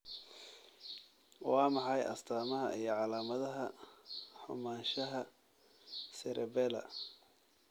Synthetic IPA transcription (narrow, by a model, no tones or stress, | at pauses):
wɑːmɑħɑjʔɐ̰st̪ʰaːmɐɦɐʔijɞʕɑlaːmɐðɐɦɐ | ħʊ̰maːʃɐɦɐ | sɛɾʔɛbɛlɐ̰